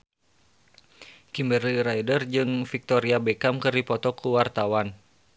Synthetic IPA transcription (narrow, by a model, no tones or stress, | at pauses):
kimbəriɾaidərd͡ʒɨŋfik̚t̪ɔɾiabɛkamkɨrdipɔt̪ɔkʰuwart̪awan